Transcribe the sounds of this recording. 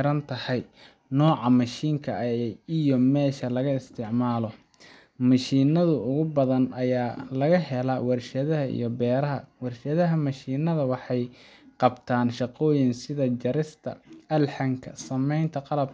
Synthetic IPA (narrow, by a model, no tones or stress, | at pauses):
ɾɐnt̪ʰɐhɛj | nɔːʕɑmɐʃiːŋkʰɐʔijɔmɛːʃɐlɐɣɐɪst̪ʰɪʕmaːlɔ | mɐʃiːnɐðʊʊɣʊbɐðɐnɐjaːlɐɣɐɦɛlɐwɑrʃɐðɐɦɐḭjɔbɛːɾɐɦɐ̰wɑrʃɐðɐɦɐmɐʃiːnɐðɐwɑħɑj | qɑbt̪ʰaːnʃɑqɔːjɪnsɪðɐd͡ʒɐɾɪst̪ʰɐ̰ɐlħɑŋkʰɐ̰sɐmɛjnt̪ʰɐqɑlɐb